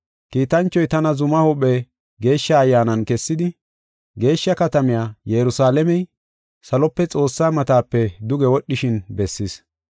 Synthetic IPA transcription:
kiːt̪ɐnt͡ʃːɔjt̪ɐnɐzʊmɐhɔɓɛ | ɡe̞ːʃːɐːjːaːnɐnkɛsːɪd̪ɪ | ɡe̞ːʃːɐkɐt̪ɐmɪjaːjɛɾʊsaːlɛmɛj | sɐlɔpːɛt͡sʼo̞ːsːaːmɐt̪aːpːɛd̪ʊɡɛwɔɗːɪʃɪnbɛsːis

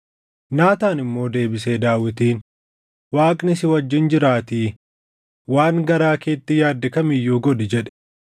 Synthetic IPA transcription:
naːt̪aːnɪmːo̞ːd̪e̞ːbɪse̞ːd̪aːwɪt̪iːn | waːkʼnɪsɪwɐd͡ʒːɪnd͡ʒɪɾaːt̪iː | waːŋɡɐɾaːke̞ːt̪ːɪjaːd̪ːɪkɐmɪjːuːɡɔd̪ɪd͡ʒɛᶑɛ̥

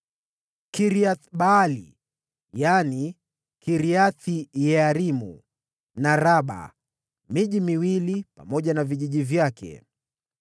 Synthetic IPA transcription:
kiɾiaθɓaːlḭ | jani | kʰiɾiaθijɛaɾimṵ | naɾaɓa̰ | miʄimiwilipa̰mɔʄanaviʄiʄivjakʰɛ̰

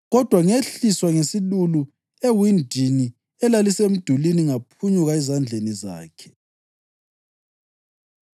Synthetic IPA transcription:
ɣɔd̥ʱwaŋeɬiswaŋesilulu | ewindʱini | ɛlalisem̩d̥ʱuliniŋapʰuɲuɣaɛzand͡ɮʱeniza̰ːkʰɛ̥

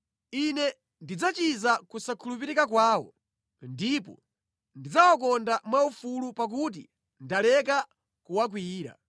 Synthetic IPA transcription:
inɛ | ndid͡zat͡ʃizakusakʰulupiɾikakwaːwɔ̰ | ndipɔ̰ | ndid͡zawak̬ɔndamwaufulupak̬ut̬i | ndalɛk̬a | kuwak̬wiːɾa̰

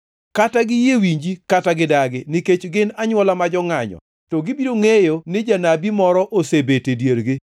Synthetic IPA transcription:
kataɡɪjewiɲd͡ʒikataɡɪdaɡɪnɪket͡ʃɡɪnaɲwɔlamad͡ʒɔŋaɲɔ̰ | tɔɡɪbiɾoŋejonɪd͡ʒanabimɔɾɔʔosebetedjeɾɡɪ

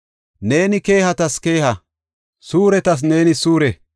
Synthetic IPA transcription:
ne̞ːnɪke̞ːhɐt̪ɐske̞ːhɐ | suːɾɛt̪ɐs̬ne̞ːnɪsuːɾɛ

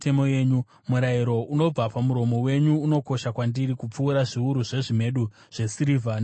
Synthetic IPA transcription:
te̞mojeːɲu | muɾaiɾo̞uno̞b͡vapamuɾo̞mo̞we̞ɲuːno̞ko̞ʃakwandiɾikup͡fuːɾaʐiuɾuʐe̞ʐime̞ɗu | ʐ̥e̞siɾivʱan

